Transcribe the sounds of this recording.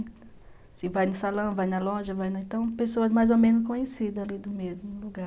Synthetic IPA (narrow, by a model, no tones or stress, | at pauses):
sɪvajnʊsalɐ̃w̃vajnɐlõʒɐvajnʊẽt̪ɐ̃w̃pesoɐzmajzomẽnʊs̬kõɲesid̪ɐalid̪ʊmezmʊluɡaɾ